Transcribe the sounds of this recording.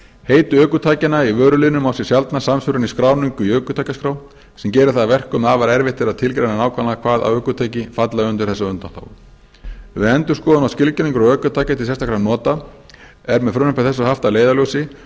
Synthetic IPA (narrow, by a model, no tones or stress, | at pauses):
heːjt̪ʏœːkʏt̪ʰaːjcɪnaivœːɾʏlɪnʏmawsjɛ̥sjalt̪nasamsfʏɾʏniskɾaːwniŋkʏiœːkʏt̪ʰajcaskɾaw | sɛmcɛːɾɪθaðavɛr̥kʏmaːvaɾɛɾvɪht̪ʰɪɾaðt̪ʰɪlkɾajnanaːwkʰalakʰv̥aːða̰wœːkʏt̪ʰaːjcɪfat̪laʏnt̪ʏɾ̥θɛsːaʏnt̪anθa̰ːw | vɪɛnt̪ʏ̥skɔːðanawscɪlcʏniŋkʏɾɔœːkʏt̪ʰaːjcɪt̪ʰɪlsɛst̪akʰɾanɔːt̪a | ɛɾmɛðfɾʏnʏpḁθɛsːahaft̪aleːjðaloːwsɪ